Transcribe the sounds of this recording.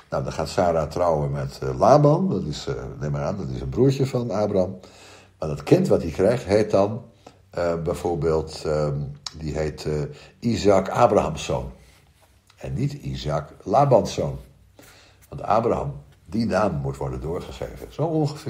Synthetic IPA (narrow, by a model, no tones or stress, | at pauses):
nɔwdɑnχaːtsaːɾatrɔwəmɛtlaːbɑndɑtɪsnɪməɾaːndɑtɪsənbruəɹcəfɑnaːbraam | maːdɑtkɪntʋɑt̚dikrɛjχtɦeːt̚dɑn | bɛjv̥oːɹbeːlˠt | diɦeːtizakaːbrahamsːo̰wn | ɛnːitḭzaklaːbɑnsoːn | ʋɑntʰa̰ːbraɦɑ̰m | dinaːmːutʋɔɹdəndʊːɹχəsḛːvəz̥owonχəfɪ